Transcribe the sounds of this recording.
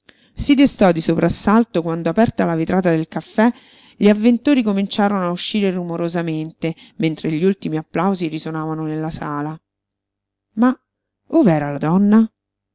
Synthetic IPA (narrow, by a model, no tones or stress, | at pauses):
sid̪est̪ɔd̪isopɾʔasːalt̪okwand̪oapɛrt̪alavit̪ɾʔaːt̪ad̪elkafːɛ | ʎiavːent̪oːɾikomint͡ʃaːɾonoauʃːiːɾerumoɾozament̪e | ment̪ɾeʎːiult̪imiapːlawziɾisonaːvanonelːasaːla | ma | ovɛːɾalad̪ɔnːa